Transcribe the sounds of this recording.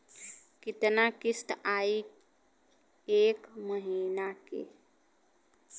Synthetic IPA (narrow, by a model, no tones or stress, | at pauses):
kɪt̪nakist̪aːi | eːkməɦiːnakḛ